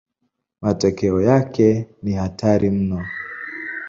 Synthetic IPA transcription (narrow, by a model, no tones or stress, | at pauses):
matɔkɛɔjakɛnihatʰaɾim̩nɔ